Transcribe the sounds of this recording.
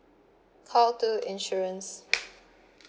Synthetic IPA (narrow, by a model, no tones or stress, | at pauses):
kʰɔltuɪ̃nʃuɹə̃ns